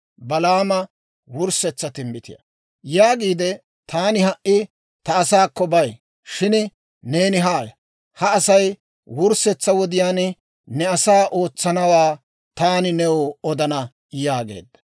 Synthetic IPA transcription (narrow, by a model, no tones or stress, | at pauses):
bɐlaːmɐ | wʊɾsɛt͡sːɐt̪ɪmbɪt̪ɪ̰jɐ̰ | jaːɡiːd̪ɛ | t̪aːnɪhɐʔʔːɪ | t̪ɐːsaːkːɔbɐj | ʃɪn | ne̞ːnɪɦaːjɐ | hɐːsɐj | wʊɾsɛt͡sːɐwɔd̪ɪjaːn | nɛɐsaːʔo̞ːt͡sːɐnɐwaː | t̪aːnɪnɛwoɔd̪ɐnɐ | jaːɡe̞̰ːd̪ːɐ̥